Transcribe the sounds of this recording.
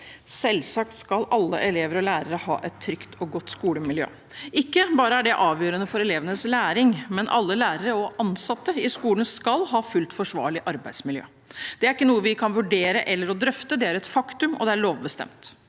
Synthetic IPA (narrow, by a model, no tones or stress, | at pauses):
sɛlsɑkt̪skɑlɑlːə̰ʔɛleːʋəɾɔlæːɾəɾəhɑ̰ːʔɛt̪ʰːɾʏkt̪ʰɔɡɔt̪ːskuːləmɪljø̰ː | ɪkːəbɑːɾəæɖɛʔɑːʋjøːɾənəfɔɾɛleːʋənəslæːɾɪŋmɛnʔɑ̰lːəlæːɾəɾəɔʔɑnsɑt̪ːəɪskuːlən̩skɑlɦɑːfʉlt̪fɔʂʋɑ̰ːɭɪʔɑɾbæɪd̪smɪljø̰ː | d̪̥ɛæɾɪkːənuːəʋɪkʰɑnʋʉɖeːɾəʔɛlːəɾɔd̪ɾœft̪əd̪ɛæɾɛt̪fɑkt̪ʉmɔ̰d̪ɛæɭoːʋbəst̪ɛ̰mt̪